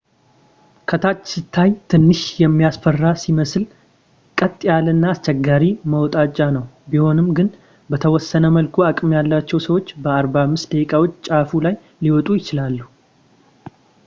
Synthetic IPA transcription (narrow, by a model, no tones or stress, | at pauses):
kʰət̪ʰat͡ʃːsɨt̪ʰːajt̪ʰɨnːɨʃjɛmːijasfərːasiməsɨl | kʼət̪ʼːɪjalɨnːaːst͡ʃːɛɡːaɾiməwɔt̪ʼat͡ʃʼːanəwbiho̞nɨmɡɨn | bət̪ʰəwɔsːənəməlkʰuakʼɨmjalːat͡ʃːɛwsəwo̞t͡ʃːbəaɾbamːɨst̪d̪əkʼawot͡ʃːt͡ʃʼafulaj | liwɔt̪ʼujɪt͡ʃɪlalːu